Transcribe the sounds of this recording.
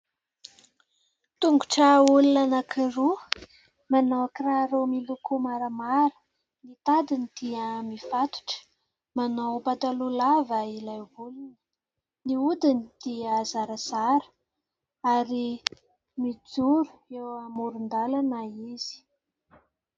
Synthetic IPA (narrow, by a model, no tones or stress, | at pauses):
t̪uŋɡuʈ͡ʂaulinanakʰiɾu | manawkraɾemilukumaɾəmaɾə̥ | nit̪ad̪inid̪̥iəmifat̪u̥ʈ͡ʂə̥ | manawpat̪alulavailajvulunə̥ | niud̪inid̪̥iəzaɾazaɾə̥ | aɾi | mid͡zuɾu̥ewamuɾund̪alanaiz̥i̥